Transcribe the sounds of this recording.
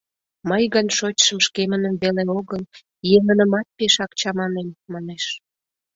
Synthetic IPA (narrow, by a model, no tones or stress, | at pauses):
məjɣənʃot͡ɕʃəmʃkemənəmβeleoɣəl | jeŋənəmɑt̪̚peʃɑk̚t͡ɕɑmɑnenmɑneʃ